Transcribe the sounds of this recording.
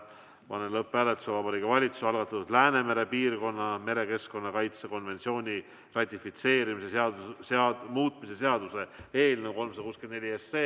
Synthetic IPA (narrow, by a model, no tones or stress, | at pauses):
pɑnelɤpːˑælet̪u̥sevɑbɑɾikːɑvɑlʲit̪su̥sɑlɡ̥ɑt̪ːˑɑt̪ud̪̥læːne̞me̞ɾe̞piːrko̞nːɑme̞ɾe̞ke̞sko̞nːɑkɑjt̪seko̞nve̞nt̪sio̞ːnʲi | rɑt̪ʲːifit̪se̞ːɾimiseeɑɑmuːt̪mise̞se̞ɑd̪use̞eːlnuwko̞lmsɑd̪ɑkuːskend̪nelʲiesːeː